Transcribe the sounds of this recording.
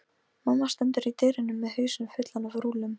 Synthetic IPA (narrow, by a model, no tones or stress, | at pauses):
manːast̪ɛnt̪ʏɾit̪ɪːɾɪnːʏmːɛðhœːɥsʏmfʏt̪lanavɾuːlʏm